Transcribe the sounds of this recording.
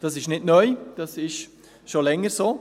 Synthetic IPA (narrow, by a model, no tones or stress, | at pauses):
d̥ɑsɪʃnɪdnœʏd̥ɑsɪʃ | ʃolɛŋəsoː